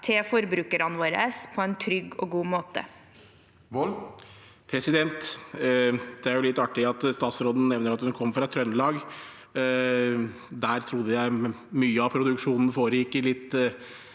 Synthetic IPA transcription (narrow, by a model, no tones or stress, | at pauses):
t̪ʰefɔɾbɾʉːkəɾɑnʋoːɾə̰spʰɔɛnt̪ʰɾʏɡːɔɡuːmoːt̪ə̰ | pʰɾɛsɪd̪ɛnt̪ | d̪̥ɛæɾjʊlɪt̪ːɑʈːɪɑt̪st̪ɑːt̪sɾoːd̪n̩nɛʋnəɾɑt̪hʉnkʰɔmːfɾɑɛt̪ʰːɾœnːəlɑːɡ | d̪æːɾt̪ʰɾʊd̪ːəjæɪmyːəɑpʰɾʊd̪ʉkʂuːnn̩foːɾjɪːkːəlɪt̪ː